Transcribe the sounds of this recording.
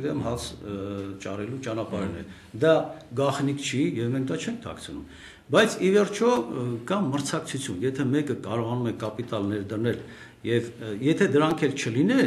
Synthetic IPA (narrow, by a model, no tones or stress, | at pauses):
d̪ɛmhɑt͡sʰt͡ʃɑɾɛlut͡ʃɑnɑpɑɾnɛ̰ | d̪ɑɡɑχnikt͡ʃʰijɛvmɛŋk̚ʰd̪ɑt͡ʃʰɛŋk̚ʰt̪ʰɑ̰kt͡sʰənum | bɑjt͡sʰivɛɾt͡ʃʰɔkɑməɾt͡sʰɑkt͡sʰut͡sʰjunjɛt̪ʰɛmɛkəkɑɾɔʁɑnumɛkɑpit̪ɑlnɛɾd̪ərnɛl | jɛvjɛt̪ʰɛd̪əɾɑŋkʰɛlt͡ʃʰəlinɛ